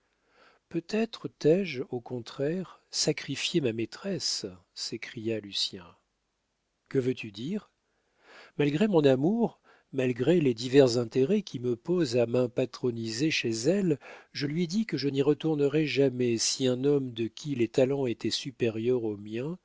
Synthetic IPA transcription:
pøt̪ɛt̪χət̪ɛʒokɔ̃t̪χɛʁsakχifjemamet̪χɛs | sekχijalysjɛ̃ | kəvøt̪ʰyd̪iʁ | malɡʁemɔ̃namuʁ | malɡʁeled̪ivɛʁzɛ̃t̪eʁɛkʲʰiməpozamɛ̃pat̪χɔnizeʃezɛlʒəlɥied̪ikəʒəniʁət̪uʁnəʁɛʒamɛsiɛ̃nɔmd̪əkʲʰilet̪alɑ̃et̪ɛsypeʁjœʁomjɛ̃

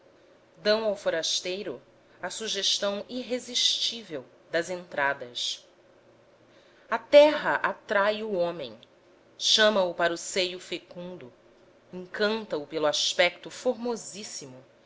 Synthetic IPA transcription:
d̪ɐ̃w̃awfoɾaʃt̪ejɾʊ | ɐsuʒeʃt̪ɐ̃w̃iɦeziʃt͡ʃivew | d̪ɐzẽnt̪ɾad̪ɐs | ɐt̪ɛɦɐʔat̪ɾajʊõmḛ̃j̃ | ʃɐ̃mɐʊpaɾʊsejʊfekũnd̪ʊ | ẽŋkɐ̃nt̪ɐʊpelʊaspɛk̚t̪ʊfoɾmozisimʊ

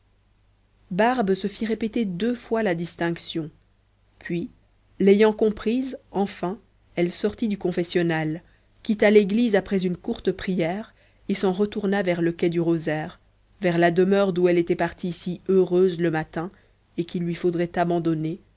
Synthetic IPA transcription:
baʁbsəfiʁepet̪ed̪øfwalad̪ist̪ɛ̃ksjɔ̃ | pʰɥi | lejɑ̃kɔ̃pχizɑ̃fɛ̃ | ɛlsɔʁt̪id̪ykɔ̃fɛsjɔnal | kʲit̪aleɡlizapχɛzynkuʁt̪əpχijɛːʁ | esɑ̃ʁət̪uʁnavɛʁləkʲɛd̪yʁozɛːʁ | vɛʁlad̪əmœʁd̪uɛlet̪ɛpaʁt̪ʰisiøʁøzləmat̪ɛ̃ | ekilːɥifod̪ʁɛt̪abɑ̃d̪ɔne

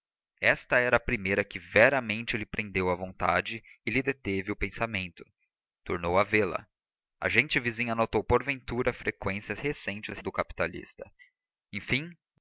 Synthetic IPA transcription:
ɛst̪ɐɛɾɐːpɾimejɾɐkɪvɛɾɐmẽnt͡ʃɪlɪpɾʔẽnd̪ewɐvõnt̪ad͡ʒɪɪlɪd̪et̪evɪʊpẽsamẽnt̪ʊ̥ | t̪oɾnowɐvelɐ̰ | ɐ̰ʒẽnt͡ʃɪvizĩɲɐnot̪owpoɾvẽnt̪uɾɐfɾekwẽsiɐzhesẽnt͡ʃɪsd̪ʊkapi̥t̪alḭst̪ɐ̥ | ẽj̃fĩ

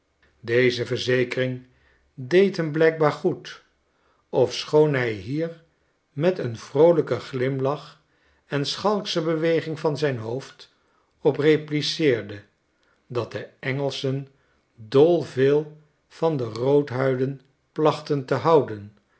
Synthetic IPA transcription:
dejzəvəɹzejkərɪŋ | dejtɦəmblɛjk̚baːɹχut | ɔfsχownɦɛjɦiːɹ | mɛtənv̥rowləkəχlɪmlɑχ | ɛnsχɑlˠksəbəʋejχɪŋvɑnzɛjnɦowft | ɔpreplisɪːɹdə | dɑt̚dəɛŋəlˠsən | dɔlˠvɪːlˠ | v̥ɑndərowtɦœɥdən | plɑχtəntəɦɑwdən

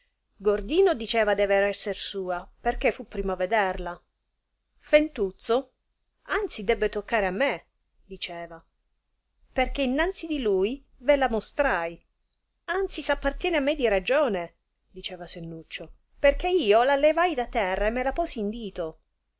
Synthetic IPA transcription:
ɡord̪iːnod̪it͡ʃɛːvad̪ɛːveɾɛsːersuːaperk̟efːupːɾiːmaved̪erla | fent̪ut̪so | ant̪sid̪ɛbːet̪okːaːɾeamːe | d̪it͡ʃɛːva | perk̟einːant̪sid̪iluj | velamost̪ɾaj | ant̪sisapːart̪jɛːneamːed̪iɾad͡ʒoːne | d̪it͡ʃɛːvasenːut͡ʃːo | perk̟eiːolalevajd̪at̪ːɛrːaemːelapɔːsiːnd̪iːt̪o

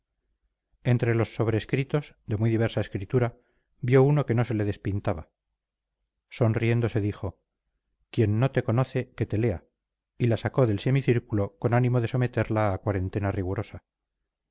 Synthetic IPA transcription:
e̞nt̪ɾe̞lo̞sːo̞βɾe̞ːskɾit̪o̞zðe̞mwiðiβ̞e̞ɾsaeskɾit̪uɾa | bjo̞uno̞ke̞no̞se̞le̞ðe̞spint̪aβa | so̞nrije̞nd̪o̞se̞ðiχo̞ | kje̞nːo̞t̪e̞ko̞no̞θe̞ke̞t̪e̞le̞a | ilasako̞ðe̞lse̞miθiɾkulo̞ko̞nanimoðe̞so̞me̞t̪eɾlaːkwaɾe̞nt̪e̞nariɣ̞uɾo̞sa

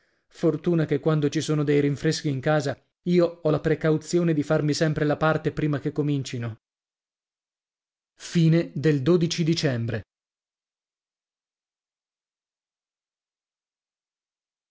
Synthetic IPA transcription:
fort̪uːnakekːwand̪ot͡ʃisoːnod̪ejɾiɱfɾesk̟iːŋkaːza | iːoɔlapɾekawt̪sjoːned̪ifarmisɛmpɾelapart̪epɾiːmak̟ekːomint͡ʃino | fiːned̪eld̪od̪it͡ʃid̪it͡ʃɛmbɾe

